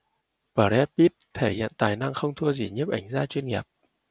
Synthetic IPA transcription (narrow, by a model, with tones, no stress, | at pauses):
pəː˨˧˩ɾɛ˦˥t̚pi˦˥t̚t̪ʰe˧˩hḭ˧˨nt̪aː˨˩jna˧ŋxə˧wŋ͡mt̪ʰu˧əzi˨˩ɲi˦˥əp̚ʔa˧˩jŋ̟zaː˧˥t͡ɕwi˧nŋi˨˩p̚